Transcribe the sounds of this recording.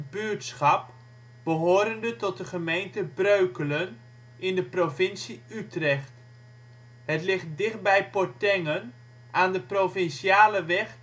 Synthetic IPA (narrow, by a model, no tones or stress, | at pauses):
bytsχɑp̚ | b̥əɦoːɾəndətɔt̚dəχəmejntəbrøɥkələn | ɪndəprovɪnsiytrɛχt | ɦətlɪχt̚dɪχt̚bɛjpɔɹtɛŋən | ʔaːndəprofɪnsiaːləʋɛχ